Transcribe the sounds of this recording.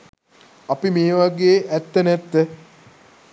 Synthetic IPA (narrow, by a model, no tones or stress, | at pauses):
apimeːʋaɡeːʔæt̪ːənæt̪ːə